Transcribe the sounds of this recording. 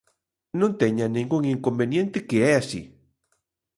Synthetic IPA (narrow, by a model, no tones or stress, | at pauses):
nõnt̪ɛɲɐnẽŋɡuŋiŋkombenjẽnt̪ɪkeɛasḭ